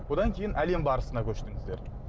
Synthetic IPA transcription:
wo̞d̪ɑŋkʲʰe̞jɪnʔæle̞mbɑɾəsənɑkʲʰɵʃt̪ɪŋɪzd̪e̞ɾ

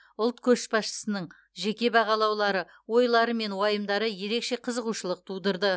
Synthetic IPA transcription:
ʊlˠt̪kʲʰɵʃpɑsʃə̥sənəɴ | ʒe̞kʲe̞bɑʁɑlˠɑwlˠɑɾə | wo̞jlˠɑɾəme̞nwɑjəmd̪ɑɾəje̞ɾe̞kʃe̞qʰəzəʁuʃəlˠəq̚t̪ʰud̪əɾd̪ə

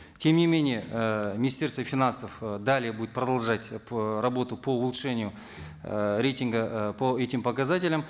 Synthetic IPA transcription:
tʲʰe̞mnʲɪmʲe̞nʲɪjemʲɪnʲɪsʲt̪ʲe̞rst̪vəfʲɪnansəfd̪alʲɪjəbudʲɪt̪prɐd̪ɐlˠʐatʲrɐbo̞t̪ʊpʰo̞ʊlˠut̪ʂenʲɪjʊ | ɾʲejtʲɪŋɡəpo̞etʲɪmpɐkazatʲɪlʲəm

